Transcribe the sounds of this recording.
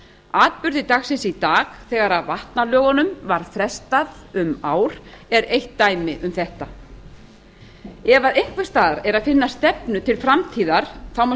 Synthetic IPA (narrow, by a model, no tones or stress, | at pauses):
aːt̪̚pʏɾðɪt̪axsɪnsit̪aːɣθɛːɣaɾavaht̪nalœːɣanʏmvaɾ̥fɾɛst̪aðʏmaːwɾ̥ɛɾejht̪ːaːjmɪʔʏmθɛht̪a | ɛvaðejŋ̥kvɪ̥st̪aːðaɾɛɾaðfɪnːast̪ɛpnʏt̪ʰɪlfɾamt̪ʰiːðaɾ̥θawma